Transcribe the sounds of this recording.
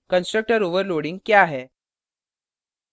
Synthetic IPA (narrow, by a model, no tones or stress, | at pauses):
kənsʈɾək̚ʈəɾoʋəɾloɽiːŋɡkjaaɦe